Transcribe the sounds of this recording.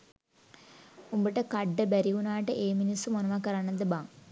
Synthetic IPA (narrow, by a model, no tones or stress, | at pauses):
umbiʈːɐkɐɖːɐbɐɾiunaːʈɨʔeːminisumonɐʋakːɐɾaːɳɐd̪ɨbaːŋ